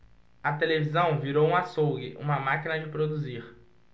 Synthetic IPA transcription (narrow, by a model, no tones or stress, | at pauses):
ɐt̪elevizɐ̃w̃viɾowũasowɡɪ̰ʔṵ̃mɐmakinɐd͡ʒɪpɾod̪uziɾ